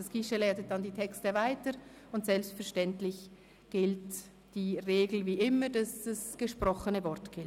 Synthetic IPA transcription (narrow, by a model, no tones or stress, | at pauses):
ɑskɪʃəlaːtət̚d̥ɑndiːtʰɛkstəvaɪtə | ʊntsɛlpstfɛɐʃtɛntlɪç | ɡ̥ɪlt | d̥iːʁeːɡl̩viːʔɪmədɑsd̥ɑsɡ̥əʃpɾɔχənəvɔɐtɡ̥ɪl